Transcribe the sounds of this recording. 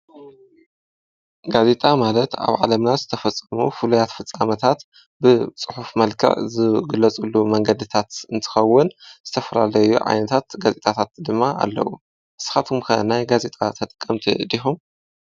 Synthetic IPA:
ɡaze̞t̪ʼamalɐt̪a̰βʕa̰lɐmnazɨt̪ʰɐfɐt͡sʼːɐmufɨlujat̪fɨt͡sʼːamɐt̪ʰat̪ | bɨt͡sʼɨħufmɐlkʰɐ̰ʕzɨɡɨlːɐt͡sʼulːumɐŋɡɐd̪ɨt̪ʰat̪ɨnt̪ʰɨ̥xɐwːʊnz̥ɨt̪ʰɐfɐlalɐjṵʕa̰jnɐt̪ʰat̪ɡazet̪ʼʰat̪ʰat̪̚d̪ɨmːaa̰lːɐ̰wu | ʔɨsɨ̥xat̪ʰumkʰɐnajɡaze̞t̪ʼa̰t̪ʰɐt̪ʼɨkʼːɐmt̪ʰḭd̪ixum

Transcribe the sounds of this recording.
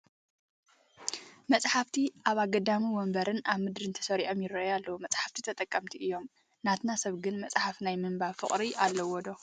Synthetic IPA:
mɐt͡sʼħaft̪ʰiʔaβaɡɐd̪amiwɔmbɐɾɨnaβmɨd̪ɾɨnt̪ʰɐ̥sɐɾiʔomjɪrɐʔjalːɐwumɐt͡sʼħaft̪ʰit̪ʰɐt̪ʼɐkʼːɐmt̪ʰiʔɨjːo̞m | nat̪nasɐβɡɨnmɐt͡sʼħafnajmɨmbafɨχʼɾiʔalːɐwɔd̪o̞

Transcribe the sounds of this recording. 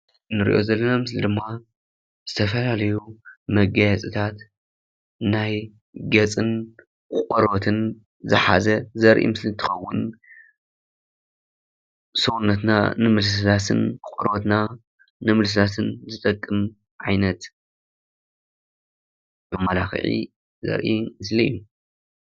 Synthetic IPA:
nɨɾḭʔo̞̰zɐlːɐnomɨslid̪ɨmːa | z̥ɨt̪ʰɐfɐlalɐjumɐɡɐjɛt͡sʼɨt̪ʰat̪ | naj | ɡɐt͡sʼɨn | kkʼɨɾo̞t̪ʰɨn | zɨ̰ħa̰zɐzɐɾʔḭmɨslint̪ʰɨ̥xɐwːʊn | sɨunːɐt̪na̰nɨmɨlsɨdasʰɨnkʼɔɾot̪na | nɨmɨls̬ɨd̪at̪ʰɨnzɨt̪ʼɐkʼːɨm | ʕajnɐt̪ | jomːalaxɨ̰ʕḭ | zɐ̰ɾʔimɨslijːu

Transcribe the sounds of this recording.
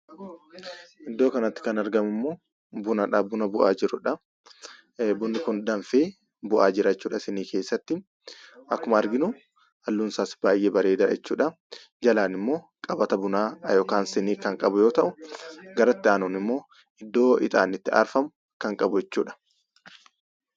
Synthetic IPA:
ʔɪd̪ːo̞ːkɐnɐt̪ːɪ̥kɐnɐɾɡɐmʊmːoː | bʊnɐᶑɐbʊnɐbʊʔaːd͡ʒɪɾʊᶑɐ | bʊnːɪkʊnd̪ɐnfeː | bʊʔaːd͡ʒɪɾat͡ʃːuːᶑɐsɛniːkʰe̞ːsːɐt̪ːɪ | ʔɐkːʊmɐːɾɡɪnʊ | ɐlːuːnsaːsb̥aːjʔeːbɐɾe̞ːd̪ɐɛ̰t͡ʃːuːᶑɐ | d͡ʒɐlaːnɪmːo̞ː | kʼɐbɐt̪ɐbʊnaːjoːkaːnsɛniːkɐŋkʼɐbʊjo̞ːt̪ɐʔʊɡɐɾɐt̪ːɪaːnoːnɪmːo̞ː | ɪd̪ːo̞ːɪ̰t̪ʼa̰ːnɪt̪ːɪɐ̰ɾfɐmʊ | kɐŋkʼɐbʊɛt͡ʃːuːᶑɐ̥

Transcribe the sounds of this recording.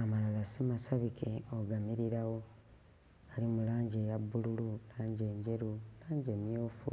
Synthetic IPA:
amalalasimasaβike̞oɡamiɾiɾawo̞ | ɡ̥alimulaːɲɟejabːulululaːɲɟe̞ːɲɟe̞ɾulaːɲɟe̞ːmjo̞ːfṵ

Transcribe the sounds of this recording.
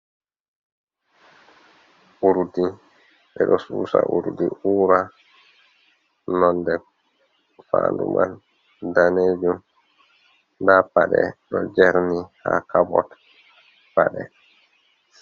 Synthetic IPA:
ʔuɾdi | ɓɛɗɔsuːsaʔuɾdiʔuːɾa | nɔndɛ | faːndṵmʔan | daned͡ʒum | ndapaɗɛɗɔd͡ʒɛɾnihakabɔt | paɗɛ

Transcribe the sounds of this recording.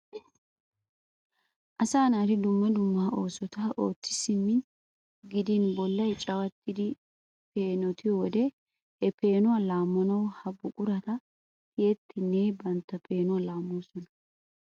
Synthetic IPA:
ʔɐsaːnaːɾɪd̪ʊmːɐd̪ʊmːɐo̞ːsɔt̪aʔo̞ːtːɪ̥sɪmːɪ | ɡɪd̪ɪnbɔlːɐjt͡ʃʼɐwɐt̪ːɪd̪ɪ | pe̞ːnɔt̪ʰɪjɔd̪ɛ | hɛpe̞ːnʊwalaːmːɔnɐwhɐbʊkʼʊɾɐt̪ɐ | heːt̪ʰːɪneːbɐnt̪ːɐpʰe̞ːnʊwalaːmːuːsɔnɐ̥

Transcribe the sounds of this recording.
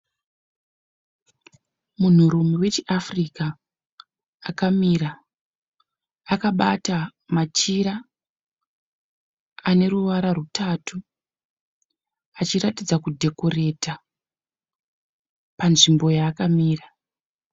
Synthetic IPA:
mun̤uɾumiwe̞t͡ʃiʔafrika | kamiːɾa | kaɓatamat͡ʃiɾa | ane̞ruʋaɾarutʰaːtʰu | at͡ʃiɾatid͡zakudʱe̞ko̞re̞ta | panʐimbo̞jaːkamiːra

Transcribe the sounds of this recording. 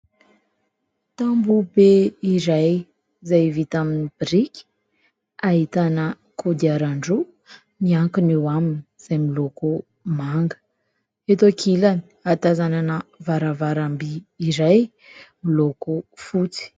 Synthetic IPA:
t̪ambubeiɾaj | zajvit̪aminib̥ɾikʲi̥ | ait̪anə | kʰod̪iaɾaɳɖ͡ʐu | niaŋkunewaminiz̥ajmiloku | maŋɡə̥ | et̪oakʰilani̥at̪azananəvaɾavaɾambiːɾaj | milokufut͡si̥

